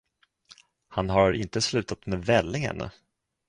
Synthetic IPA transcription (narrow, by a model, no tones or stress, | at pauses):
hanɦaɾɪnt̪əslʉ̟ːt̪at̪mɛvɛlːɪŋhɛ̰n̰